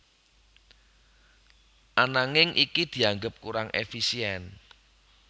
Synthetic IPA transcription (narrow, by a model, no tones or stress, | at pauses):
ʔanaŋɪŋʔikid̪̥i̤aŋɡəp̚kuɾaŋʔḛfisiɛn